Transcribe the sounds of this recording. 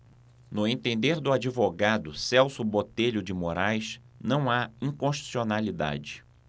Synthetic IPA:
nʊẽnt̪ẽnd̪eɾd̪ʊad͡ʒivoɡad̪ʊsɛwsʊbot̪eʎʊd͡ʒɪmoɾajʃ | nɐ̃w̃aĩkõʃt͡ʃi̥sionalid̪a̰d͡ʒɪ

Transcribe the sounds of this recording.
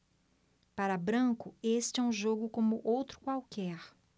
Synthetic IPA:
paɾɐbɾɐ̃kʊest͡ʃɪɛũʒoɡʊkõmʊʔowt̪ɾʊ̥kwawkɛɾ

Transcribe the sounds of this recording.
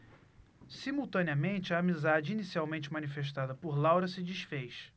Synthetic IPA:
simuwt̪ɐ̃niɐmẽnt͡ʃɪɐːmizad͡ʒɪinisiawmẽnt͡ʃɪmɐ̃nifeʃt̪ad̪ɐpoɾlawɾɐsɪd͡ʒiʃfejʃ

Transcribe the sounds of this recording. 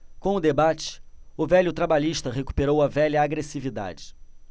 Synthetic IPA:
kõʊd̪ebat͡ʃɪ̥ʊvɛʎjʊt̪ɾabaʎiʃt̪ɐɦeku̥peɾowɐvɛʎɐaɡɾesivid̪a̰d͡ʒɪ̥

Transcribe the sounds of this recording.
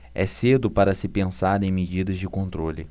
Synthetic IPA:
ɛsed̪ʊpaɾɐsɪpẽsaɾẽj̃med͡ʒid̪ɐzd͡ʒɪkõnt̪ɾolɪ

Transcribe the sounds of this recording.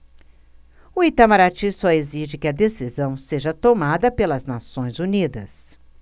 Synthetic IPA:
ʊit̪amaɾat͡ʃĩsɔeziʒɪkɪɐd̪esizɐ̃w̃seʒɐt̪omad̪ɐpelɐznasõj̃zunid̪ɐs

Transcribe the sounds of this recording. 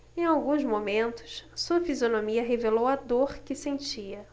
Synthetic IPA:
ẽj̃awɡũzmomẽnt̪ʊ̥ssuɐfizionomiɐɦevelowɐd̪oɾkɪsẽnt͡ʃiɐ

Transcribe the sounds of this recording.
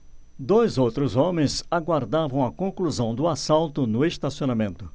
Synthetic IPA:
d̪ojzowt̪ɾʊzõmẽj̃zaɡwaɾd̪avɐ̃w̃ɐkõkluzɐ̃w̃d̪ʊasalt̪ʊnʊest̪asionamẽnt̪ʊ

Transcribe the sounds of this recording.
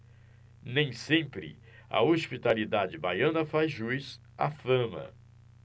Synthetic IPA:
nẽj̃sẽmpɾɪ̰ | ɐ̰ospit̪alid̪ad͡ʒɪbajɐ̃nɐfazʒuiz | a̰fɐ̃mɐ̰

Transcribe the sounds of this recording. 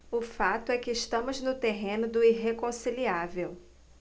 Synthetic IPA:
ʊfat̪ʊɛkɪːʃt̪ɐ̃mʊznʊt̪eɦẽnʊd̪ʊiɦekõsiliavew

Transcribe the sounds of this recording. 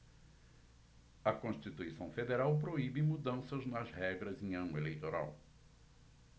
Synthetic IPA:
ɐkõʃt͡ʃit̪uisɐ̃w̃fed̪eɾawp̬ɾoibɪmud̪ɐ̃sɐznɐzhɛɡɾɐzẽj̃ɐ̃nʊelejt̪oɾa̰w

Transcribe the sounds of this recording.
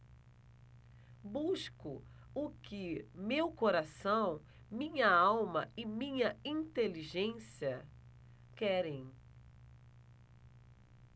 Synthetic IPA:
buʃkʊ | ʊkɪmewkoɾasɐ̃w̃ | mĩɲɐawmɐɪmĩɲɐĩt̪eliʒẽsiɐ | kɛɾẽj̃

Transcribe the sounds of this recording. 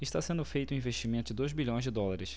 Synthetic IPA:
ɪʃt̪asẽnd̪ʊfejt̪ũĩveʃt͡ʃimẽnt̪ʊd͡ʒɪd̪ojzbiʎõj̃zd͡ʒɪd̪ɔlaɾɪs

